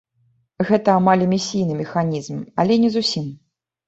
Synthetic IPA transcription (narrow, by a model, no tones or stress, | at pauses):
ɣɛt̪ɐːmalʲɐmʲisʲijnɨmʲɛxanʲizmɐlʲɛnʲɛzusʲim